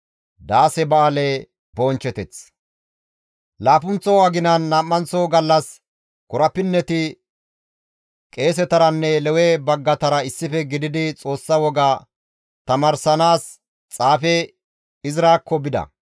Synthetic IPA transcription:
d̪aːsɛbɐɐlɛ | boːnt͡ʃɛt̪ɛt͡s | laːfʊnt͡sːɔwaːɡɪnɐnːaːmːɐnt͡soːɡɐlːɐs | kʊɾɐpːɪnːɛt̪ɪ | kʼe̞ːs̬ɛt̪ɐɾɐnːɛlɛwɛbɐɡːɐt̪ɐɾɐɪsːɪfɛɡɪd̪ɪd̪ɪt͡sʼo̞ːsːɐwɔɡa | t̪ɐmɐɾsɐnaːs | t͡sʼaːfɛ | ɪzɪɾaːkːɔbɪd̪ɐ̰

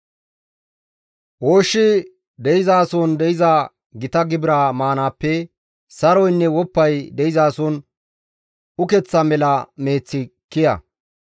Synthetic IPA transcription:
ʔoːʃːɪ | d̪ɛjɪzaːsɔnd̪ɛjɪzɐ | ɡɪt̪ɐɡɪbɪɾaːmaːnaːpːɛ | sɐɾɔjnːɛwɔpːɐjd̪ɛjɪzaːsɔn | ʊkɛt͡sːɐmɛlɐme̞ːt͡sːɪkːɪjɐ̰

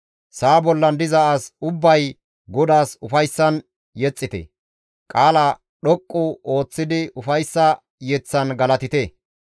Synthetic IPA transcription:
saːbɔlːɐnd̪ɪzɐʔasʊbːɐj | ɡɔd̪aːsʊfɐjsːɐn | jɛt͡sʼːɪt̪ɛ̰ | kʼaːlɐ | ɗɔkʼːʊo̞ːt͡sːɪd̪ɪʔʊfɐjsːɐ | jɛt͡sːɐnɡɐlɐt̪ɪt̪ɛ

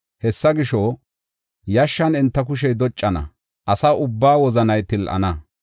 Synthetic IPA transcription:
hɛsːɐɡɪʃɔ | jɐʃːɐnɛnt̪ːɐk̬ʊʃ̬ɛjd̪ɔt͡ʃʼːɐnɐ̰ | ʔɐsɐʊbːaːwɔzɐnɐjt̪ɪlʔɐ̰nɐ

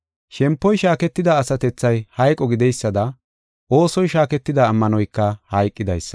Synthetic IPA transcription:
ʃɛmpːɔjʃaːkɛt̪ːɪd̪ɐːsɐt̪ɛt͡sːɐjhɐjkʼːɔɡɪd̪ɛjsːɐd̪ɐ | ʔo̞ːsɔjʃaːkɛt̪ːɪd̪ɐːmːɐnɔjkːɐhɐjkʼːɪd̪ɐ̰jsːɐ̥

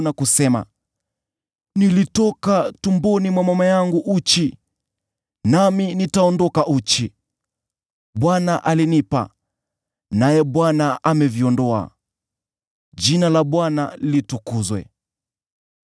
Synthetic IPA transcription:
nakusɛma̰ | nilitɔkatumbɔnimwamamajaŋɡuʔut͡ʃi | naminitaɔndɔkaʔut͡ʃi | ɓwanaʔalinipa̰ | najɛɓwanaamɛviɔndɔa̰ | d͡ʒinalaɓwanalitukuzwɛ̰

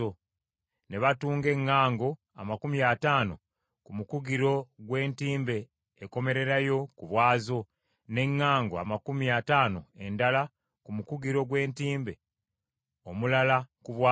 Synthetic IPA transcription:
o | ne̞βatuːŋɡe̞ŋːaːŋɡo̞ | a̰makumiataːno̞ | kumukuɡiɾo̞ɡwe̞ːntiːmbe̞ː | ko̞me̞ɾe̞ɾajo̞kuβwaːzo̞ | ne̞ŋːaːŋɡoa̰makumiataːnoe̞ndala | kumukuɡiɾo̞ɡwe̞ːntiːmbe̞ | omulalakuβwa

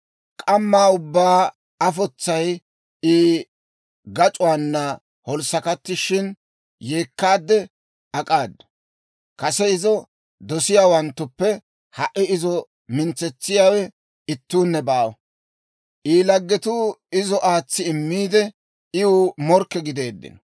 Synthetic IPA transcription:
kʼɐmːaːʊbːaː | ɐfɔt͡sːɐj | iː | ɡɐt͡ʃʼʊwaːnːɐ | hɔlsɐkɐt̪ːɪʃɪn | jeːkːaːd̪ːɛ | ɐkʼaːd̪ːɐ̥ | kɐsɛɪzɔ | d̪ɔsɪjaːwɐnt̪ːʊpːɛ | hɐʔɪɪzɔ | mɪnt͡sːɛt͡sːɪjaːwɛ | ɪt̪ːuːnːɛbaːwɔ̰ | ʔiːlɐɡːɛt̪uɪzɔʔaːt͡sːɪɪmːiːd̪ɛ | ɪʊmɔɾkːɛɡɪd̪e̞ːd̪ːɪ̰nɔ

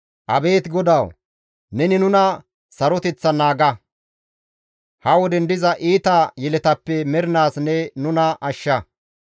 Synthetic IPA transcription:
ʔɐbe̞ːt̪ɡɔd̪ɐw | nɛnɪnʊnɐ | sɐɾɔt̪ɛt͡sːɐnaːɡɐ | hɐwɔd̪ɛnd̪ɪzɐʔiːt̪ajɛlɛt̪ɐpːɛmɛɾɪnaːsnɛnʊnɐʔɐʃːɐ

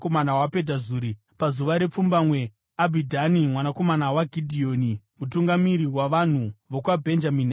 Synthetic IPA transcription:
komanawape̞dʱazuːɾi | pazuʋaɾe̞p͡fumbamwe | abʱidʱanimwanako̞manawaɡʱidʱio̞ni | mutuŋɡamiɾiwaʋan̤uʋokwabʱe̞nd͡ʒamin

